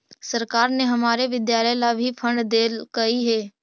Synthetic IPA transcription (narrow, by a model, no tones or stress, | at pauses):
sɐɾkaːɾneɦɐmaːɾeʋɪd̪jaːləlabʱipʰə̃ɳɖd̪eːlkɐɦiɦɛː